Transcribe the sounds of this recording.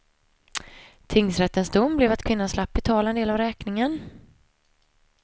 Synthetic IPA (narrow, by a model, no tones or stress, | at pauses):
t̪ʰɪŋsɾɛt̪ːənsd̪ʊmːblɛvat̪kʰvɪnːanslapːɪt̪ʰɑːlaɛneːlavɾɛːknɪŋən